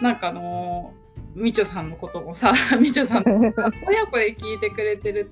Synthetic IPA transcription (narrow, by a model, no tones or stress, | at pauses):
nãŋkaːno̞ | mʲit͡ɕo̞sãnːo̞ko̞t̪o̞mo̞samʲit͡ɕosãnaojakoɾekʲiːt̪e̞kɯ̟ɾe̞t̪e̞ɾɯ̟